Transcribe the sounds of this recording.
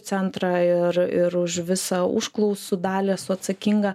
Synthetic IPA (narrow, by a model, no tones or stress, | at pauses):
ɛnt̪ɾɑɪɾɪɾʊʃʋʲɪsɑʊ̰ʃklˠɐʊsud̪ɑːlʲeːsʊɐt̪sɐkʲiŋɡɐ